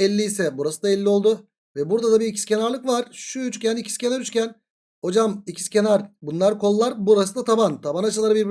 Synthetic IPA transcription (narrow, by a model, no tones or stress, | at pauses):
ɛlʲːiːsɛbuɾasɯd̪aɛlʲːio̞lˠd̪ʊ | vɛbuɾd̪ad̪abiɾicʰi̥scʲʰe̞naɾlˠɯkvaɾ̥ʃuyt͡ʃcʲʰænicʰi̥scʰe̞naɾyt͡ʃcʲæn | ho̞d͡ʒamicʰi̥scʲʰenaɾbunlˠaɾkʰo̞lˠːaɾbuɾasɯd̪at̪ʰabant̪ʰabanat͡ʃʰɯlˠaɾɯbiɾbi